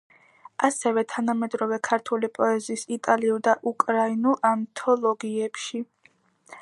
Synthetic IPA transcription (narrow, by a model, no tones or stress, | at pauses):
asɛvɛt̪ʰanamɛd̪ɾɔvɛkʰaɾt̪ʰulipʼɔɛziːsit̪ʼaliulˠd̪aʔukʼɾainulˠant̪ʰɔlˠɔɡiɛpʃi